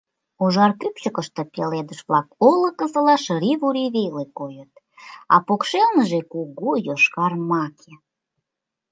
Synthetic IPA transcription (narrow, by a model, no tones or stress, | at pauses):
uʒɑrkypt͡ɕəkəʃt̪ĕpeled̪əʃβlɑkoləkə̆zəlɑʃəɾiβuɾiβelekojət̪̚ | ɑ̰pokʃelnəʒekuɣujoʃkɑrmɑkʰe